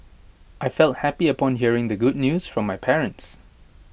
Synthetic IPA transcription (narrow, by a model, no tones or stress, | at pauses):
ʔaɪfɛlˠt̚hæpiəpʰɔ̃nɦiəɹɪ̃ŋd̪əɡʊd̚ⁿnjuz̥fɹɔ̃mːajpʰɛɹə̃nts